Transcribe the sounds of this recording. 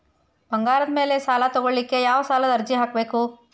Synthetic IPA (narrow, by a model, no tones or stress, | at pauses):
b̥ɐŋɡaːɾɐd̪me̞ːlesaːlat̪ɔɡoɭlikːe̞jaːʋɐsaːlɐd̪ɐɾd͡ʒiɦaːkbe̞ːku